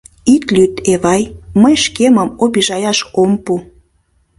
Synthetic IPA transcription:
it̪lyt̪eβɑjməjʃkeməmobiʒɑjɑʃompu

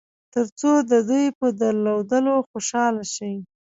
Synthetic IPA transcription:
t̪əɾt͡sod̪əd̪ujpəd̪əɾlawd̪əloxoʃɑlaʃawi

